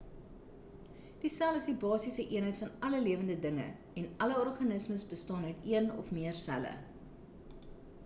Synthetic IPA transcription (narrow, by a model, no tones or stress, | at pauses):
d̥isæləsdibɑːsisəʔiənɦəjtfɐnɐləliəvəndədəŋə̰ | ɛnɐləɔrχɐnəsməsbəstɑːnœɥtiənɔ̰fmiərsæ̰lə̰